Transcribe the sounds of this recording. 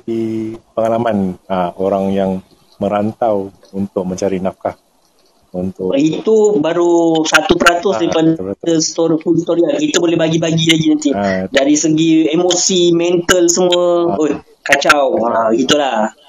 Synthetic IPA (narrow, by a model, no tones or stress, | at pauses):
bipəŋalamanaoɾaŋjaŋ | mə̃ɾant̪aw | unt̪ʊk̚məɲt͡ʃaɾinafkah | unt̪ʊit̪ubaɾusat̪upəɾat̪ʊsdaɾipadəst̪oɾfulst̪oɾiakit̪əbolɛhbaɡibaɡilaɡinant̪ɪdaɾisəɡiemosimɛnt̪əlsəmuəo | kat͡ʃawaɡit̪ulah